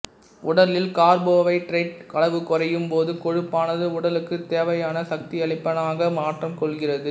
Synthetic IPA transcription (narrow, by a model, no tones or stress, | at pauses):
ʊɽɐlɪlkaːɾboːʋɐɪʈɾɐɪʈkɐɭɐʋɯkɔrɐjɯmpoːðɯkɔɻɯpːaːnɐðɯʊɽɐlɯkːɯt̪ːeːʋɐjaːnɐsɐk̚t̪ɪɐɭɪpːɐnaːɣɐmaːʈrɐmkɔɭɣɪrɐðɯ